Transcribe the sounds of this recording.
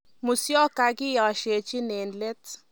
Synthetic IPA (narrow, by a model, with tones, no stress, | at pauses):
mʊ˨sjɔ˦ka˨kɪ˦ja˨ʃe˨t͡ʃi˦ne˨nle˦t